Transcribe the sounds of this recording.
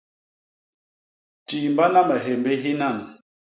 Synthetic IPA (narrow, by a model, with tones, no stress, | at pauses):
ti˨mba˦na˦mɛ˨ɦe˨mbe˦ɦi˦na˦˨n